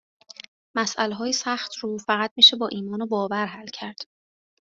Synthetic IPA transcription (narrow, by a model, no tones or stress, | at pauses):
mæsʔæleɦɒːjesæχt̪ʰɾuːfæɣæt̪̚miːʃe̞bɒːʔiːmɒːnobɒːvæɾɦælcʰæɾd̪̥